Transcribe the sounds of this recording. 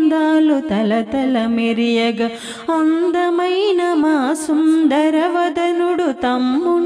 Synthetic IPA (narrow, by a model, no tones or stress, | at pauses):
d̪aːlut̪ɐlɐt̪ɐlɐmeɾijɐɡɐ | ɐnd̪ɐmɐjnɐmaːsund̪ɐɾɐʋɐd̪ɐnuɽut̪ɐmːu